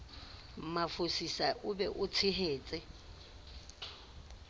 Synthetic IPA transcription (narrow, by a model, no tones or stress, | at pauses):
mafosisaʔʊbɛʔʊt͡sʰɪɦeːt͡sʼɪ